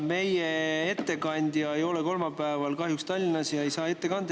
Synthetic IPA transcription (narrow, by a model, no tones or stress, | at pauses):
me̞jee̞t̪ːe̞kɑnʲd̪̥jɑejo̞leko̞lmɑpæevɑlkɑɦjukst̪ɑlʲːinɑsjɑe̞jsɑːe̞tt̪ːe̞kɑnd̪̥